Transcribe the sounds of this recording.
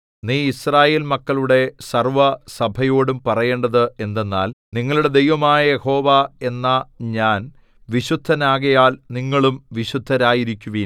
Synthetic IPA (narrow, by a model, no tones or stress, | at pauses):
niːisraːje̞ːlmɐkːɐɭuɽe̞sɐrʋɐsɐbʱɐjo̞ːɽumpɐrɐje̞ːɳɖɐðɨe̞nd̪e̞nːaːlniŋːɐɭuɽe̞d̪e̞jʋɐmaːjɐjeho̞ːʋae̞nːɐɲaːn | ʋiɕud̪ʱːɐnaːɣɐjaːlniŋːɐɭumʋiɕud̪ʱːɐɾaːjiɾikʲːuʋiː